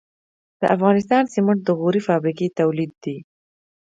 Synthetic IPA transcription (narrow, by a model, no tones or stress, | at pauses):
d̪̥əʔafɣɑnɪst̪ɑnsɪməʈ̚d̪əɣuɾifɑbɾiket̪awlid̪̚ːi